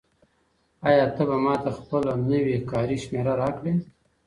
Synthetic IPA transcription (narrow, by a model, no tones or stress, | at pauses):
ɑjɑt̪əbamɑt̪axpəlonəwekɑɾiʃmeɾaɾɑkɽe